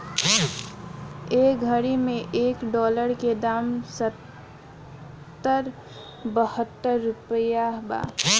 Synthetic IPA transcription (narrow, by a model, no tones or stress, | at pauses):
eːɡʱəɾimẽʔeːkɖɔːləɾked̪aːmsət̪ | əɾ | bəhət̪ːəɾːʊpəjaɦba̰ː